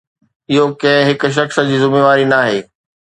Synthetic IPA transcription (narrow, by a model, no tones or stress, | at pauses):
ɪɦokɐ̃ɦɪ̃ɦɪkʊ̆ʃ̬ɐxsd͡ʑiːzʊmeːʋaːɾinaːɦeː